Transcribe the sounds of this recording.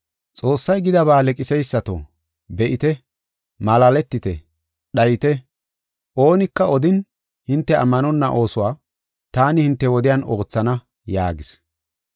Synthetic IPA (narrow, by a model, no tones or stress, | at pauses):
t͡sʼo̞ːsːɐjɡɪd̪ɐβaːlɛkʼɪsɛjsːɐt̪o̰ | bɛʔɪt̪ɛ | mɐlalɛt̪ːɪt̪ɛ | ɗɐjɪt̪ɛ | ʔo̞ːnɪkːɐɔd̪ɪn | hɪnt̪ːɛɐ̰mːɐnɔnːɐʔo̞ːsʊwaː | t̪aːnɪhɪnt̪ːɛwɔd̪ɪjaːno̞ːt͡sːɐnɐ | jaːɡɪs